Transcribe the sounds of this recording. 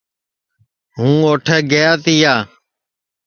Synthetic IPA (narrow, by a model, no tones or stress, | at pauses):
ɦũːoːʈʰɛːɡəjaːt̪ɪjaː